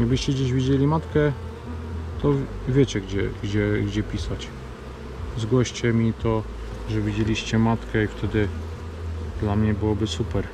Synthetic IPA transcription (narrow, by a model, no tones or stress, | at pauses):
aɡbɘɕt͡ɕɛɡd͡ʑeʑvʲid͡ʑelʲimat̪kɛ | t̪ɔvʲjet͡ɕɛɡd͡ʑɛɡd͡ʑɛɡd͡ʑɛpʲisat͡ɕ | zɡwɔɕt͡ɕɛmʲit̪ɔ | ʐɛvʲid͡ʑelʲiɕt͡ɕɛmat̪kɛift̪ʰɛd̪ɘ | d̪lamɲɛbɘwɔbɘsupɛɾ